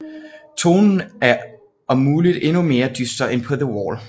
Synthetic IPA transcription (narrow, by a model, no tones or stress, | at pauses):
t͡sʰo̝̰ːnn̩æɐ | ʔɒ̽muːlid̥e̝nume̝ːɐd̥ysd̥ɐenpʰɒ̽ðəwɔ̰ːl